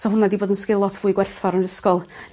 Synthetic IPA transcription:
sɔɦʊnadiboːdənskɪlˠɔtʰvuːɨɡwɛrθvɔɾəndəskɔlˠ

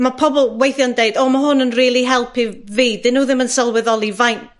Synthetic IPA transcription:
mapʰɔbɔlˠwejθjɔndejdɔːmaɦʊnənriːlˠiɦɛlˠpʰiviːdɪnuːðɪmənsəlˠwɛðɔlˠivajn

